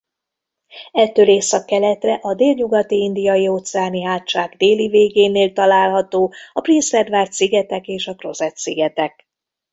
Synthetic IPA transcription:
ɛt̪ːøːleːsɒkːɛlɛt̪rɛʔɒd̪eːlɲuɡɒt̪iind̪ijɒjioːt̪sɛaːniɦaːt̪ːt͡ʃaːɡd̪eːliveːɡeːneːlt̪ɒlaːlɦɒt̪oːɒprinsfɛd̪vaːrt̪siɡɛt̪ɛkeːʃɒkro̞zɛt̪siɡɛt̪ɛk̚

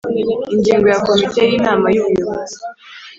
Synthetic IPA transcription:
iɲɟiːŋɡojako̞mite̞jiːnaːmajuβujoβozi

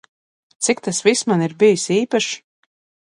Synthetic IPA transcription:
t̪sik̚t̪asvismaniɾbijisiːpaʃ

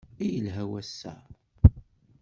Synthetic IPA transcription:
ijəlɦæwæsːæ̰

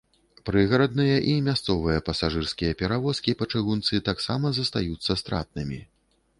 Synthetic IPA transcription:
pɾɨɣɐɾɐd̪̚nɨjɐʔimʲast̪sɔvɨjɐpɐsaʐɨrskʲijɐpʲɛɾavɔskʲipɐt͡ʂɨɣunt̪sɨt̪aksamɐzɐst̪a̰jut̪sːɐst̪ɾa̰t̪̚nɨmʲi

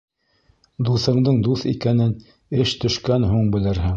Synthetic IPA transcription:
d̪uθɤ̆ɴd̪ɤɴd̪uθḭkænɘn | ɘʃt̪ɵ̆ʃkænɦuɴbɘ̆lɘɾɦɘŋ

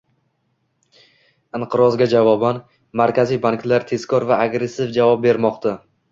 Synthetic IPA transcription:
ɪɴqʰɨɾɒzɡʲad͡ʒavɒban | maɾkʲʰazijbaŋklaɾt̪ʰe̞z̥kʰʲɒɾvaːɡɾe̞sːɪfd͡ʒavɒp̚be̞ɾmɒqt̪ʰa

